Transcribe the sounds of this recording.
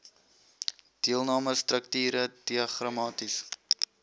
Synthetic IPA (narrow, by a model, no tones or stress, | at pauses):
d̥iəlˠnɑːməstrək̚tiːɾəd̥iɐχrɑmɑːtis